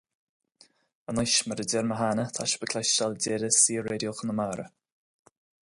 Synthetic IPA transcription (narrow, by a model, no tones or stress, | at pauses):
ənajʃməɾədɛɾməɦanət̪ʰaʃəbəkʰlaʃʃaldɛɾəsiːəɾeːdjoxənəmaːɾə̰